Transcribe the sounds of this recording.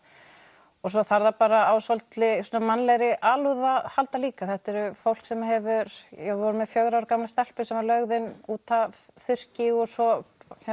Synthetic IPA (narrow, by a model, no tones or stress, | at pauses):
ɔs̬ɔθaɾðapaːɾaawsɔlt̪lɪsɔːnːamanːlɛjɾɪʔaːluðahalt̪aliːkaθɛht̪ɛɾʏfowl̥ksɛmɦɛvʏɾ̥jɛvɔɾʏmɛðfjœɣɾawɾkamlast̪ɛl̥pʏsɛmvaɾlœɣðɪnuːt̪av | θʏr̥cɪɔsɔ